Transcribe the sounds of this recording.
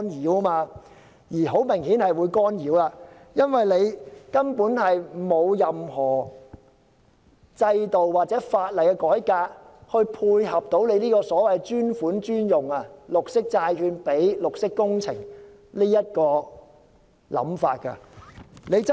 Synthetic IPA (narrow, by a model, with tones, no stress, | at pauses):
njiː˨˥wmaː˧ | jiː˨˩ɦo˨˥wmɪ˨˩ŋhiː˨˥nhɐ˨jwuː˨˧jkɔː˥njiː˨˥wlaː˧ | jɐ˥nwɐ˨jle˨˧jkɐ˥npuː˨˥nhɐ˨jmo˨˧wjɐ˨mɦɔː˨˩ | t͡sɐ˧jt̪o˨wwaː˨˩t̚t͡sɛː˨˥faː˧t̚lɐ˨jkɛ˧kɔː˨˥jkaː˧k̚hɵ˧ɥpʰuː˧jhɐ˨p̚t̪o˨˥wle˨˧liː˥kɔː˧sɔː˨˥wɐ˨jt͡ʃyː˥nfuː˨˥nt͡ʃyː˥njʊ˨ŋɐ˧lʊ˨k̚sɪ˥k̚t͡saː˧jhyː˧npe˨˥jlʊ˨k̚sɪ˥kːʊ˥ŋt͡sʰɪ̰˨˩ŋ | liː˥jɐ˥t̚kɔː˧ | lɐ̰˨˥mfa̰ː˧t̚kɐ̰˧ne˨˧jt͡sɐ˥